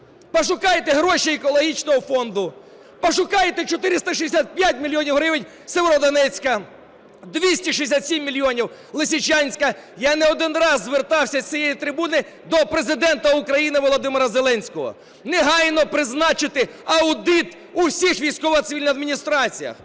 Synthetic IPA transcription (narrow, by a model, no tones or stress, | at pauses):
pɔʃʊkɑjet̪ɛɦɾɔʃiɛkɔlˠɔɦʲit͡ʃnɔɦɔfɔnd̪ʊ | pɔʃʊkɑjet̪ɛt͡ʃɔt̪ɪɾɪst̪ɐʃid̪ʲesʲat̪̚pʲjat̚ʲmʲilʲjɔnʲiwɦɾɪʋɪnʲ | seʋeɾɔd̪ɔnɛt͡sʲkɐ | d̪ʋʲisʲtʲiʃiesʲat̪sʲimːʲilʲːjɔnʲiwlˠɪsʲit͡ʃɑnʲsʲkɐjanɛɔd̪ɪnrɑzːʋert̪ɑwsʲɐt͡sʲijɛjit̪ɾɪbunɪ | d̪ɔpɾezɪd̪ɛnt̪ɐʊkɾɐjinɪʋɔlˠɔd̪ɪmɪɾɐzelˠɛnʲsʲkɔɦɔ̰ | neɦɑjnɔpɾɪznɑt͡ʃɪt̪ɪɐwd̪ɪt̪ | uwsʲixʋʲijsʲkɔʋɐt̪sɪʋʲilʲnɐd̪minʲist̪ɾɑt͡sʲijɐ̰x